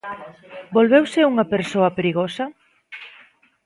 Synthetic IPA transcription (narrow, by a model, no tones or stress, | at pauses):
bolβewseuŋɐpeɾsoɐpeɾiɣosɐ